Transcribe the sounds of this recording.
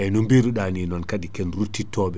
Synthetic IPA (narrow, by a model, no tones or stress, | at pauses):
ʔɛnumbiɾuɗaninɔnkadikɛnɾutːitɔːɓɛ